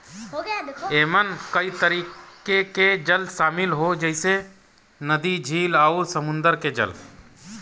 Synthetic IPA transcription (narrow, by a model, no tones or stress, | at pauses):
eːmənkəit̪əɾikkeked͡ʒəlsaːmɪlɦod͡ʒəɪse | nəd̪id͡ʒʱiːlausəmʊ̃nd̪əɾked͡ʒə̰l